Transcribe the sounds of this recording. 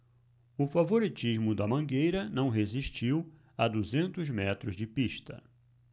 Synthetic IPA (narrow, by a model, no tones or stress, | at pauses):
ʊfavoɾit͡ʃizmʊd̪ɐmɐ̃ŋɡejɾɐnɐ̃w̃ɦeziʃt͡ʃiw | ɐd̪uzẽnt̪ʊzmɛt̪ɾʊzd͡ʒɪpiʃt̪ɐ̰